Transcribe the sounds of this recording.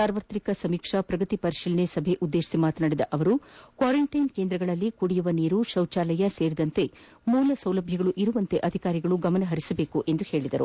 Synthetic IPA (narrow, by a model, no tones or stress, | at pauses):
saːɾʋɐt̪ɾikɐsɐmiːkʂɐpɾɐɡɐt̪ipɐɾiʃiːlnesɐbʱeʔud̪ːeːʃi̥simaːt̪naːɽid̪ɐʔɐʋɐɾukʋaːɾɐɳʈɐjnkeːnd̪ɾɐɡɐɭɐlːikuɽijuʋɐniːɾuʃɐwt͡ʃaːlɐjɐse̞ːɾid̪ɐnt̪e̞ | muːlɐsɐwlɐbʱjɐɡɐɭuʔiɾuʋɐnt̪e̞ʔɐd̪ʱikaːɾiɡɐɭuɡɐmɐnɐɦɐɾisɐbe̞ːkuʔe̞nd̪uhe̞ːɭid̪ɐɾṵ